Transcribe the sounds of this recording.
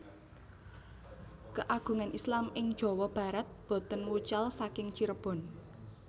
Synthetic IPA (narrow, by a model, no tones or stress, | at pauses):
kəʔaɡ̥ṳŋanʔislamɪŋ̥ʒ̥ɔ̤wɔb̥a̤ɾat̪̚b̥ɔ̤t̪ənwut͡ʃalsakɪŋt͡ʃiɾəb̥ɔ̤n